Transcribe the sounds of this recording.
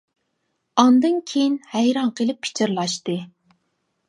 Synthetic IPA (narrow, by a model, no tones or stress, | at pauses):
ɑnd̪ɨnkʲʰejinhɛjɾɑɴqʰəlɪpʰːi̥t͡ʃʰiɾlˠɑʃt̪ɨ